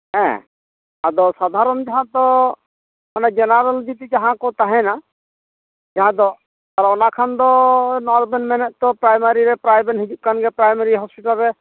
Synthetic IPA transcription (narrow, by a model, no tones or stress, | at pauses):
ɦɛ̰̃ | ad̪ɔsad̪ʱaɾɔmd͡ʒaɦãt̪ɔ | ɔnad͡ʒɛnaɾəld͡ʒ̪it̪id͡ʒaɦãkɔt̪aɦɛ̃na | d͡ʒaɦãd̪ɔ | t̪aɾaɔnakʰand̪ɔnɔɾbɛnmɛnɛt̪̚t̪ɔpɾajmaɾiɾɛpɾajbɛnɦid͡ʒuʔ̚kanɡɛpɾajmaɾiɦɔspiʈalɾɛ